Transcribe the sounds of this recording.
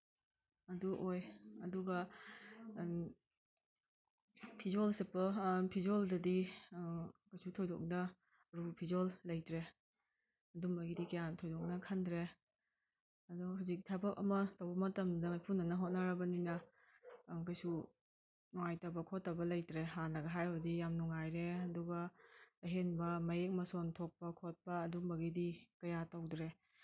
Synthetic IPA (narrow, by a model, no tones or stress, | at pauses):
ɐduʔojɐduɡɐ | pʰizolsepɐpʰizoldɐdi | kajsutʰɔjdɔ̰k̚nɐ | ɾupʰizɔlːɐjtɾe | ɐdumɐɡidikejantʰɔjdɔk̚nɐkʰandɾe | ɐdɔɦazik̚tʰabɐk̚ɐ̰mɐtɐwbɐmɐtɐmdɐjpʰunːɐnɐɦot̚nɐɾɐbɐninɐ | kɐjsu | nuŋajtɐbɐkʰotːabɐlɐjtɾeɦanːɐɡɐɦajɐbdijamnuŋajɾeɐduɡɐɐɦenbɐmɐjek̚mɐsontʰok̚pɐkʰot̚pɐːdumbɐɡidikɐjatawdɾe